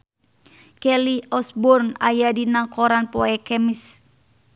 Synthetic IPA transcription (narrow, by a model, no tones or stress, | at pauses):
kɛliɔsbɔrnajadinaŋkɔɾanpɔɛkɛmis